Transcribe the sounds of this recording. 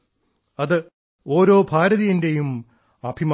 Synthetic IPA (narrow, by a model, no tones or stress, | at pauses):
ɐðɨ | o̞ːɾo̞ːbʱaːɾɐðijinde̞jum | ɐbʱim